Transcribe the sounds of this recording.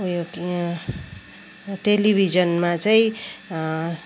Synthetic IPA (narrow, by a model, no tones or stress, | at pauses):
jo | ʈelibʱid͡zʌnmat͡saĩ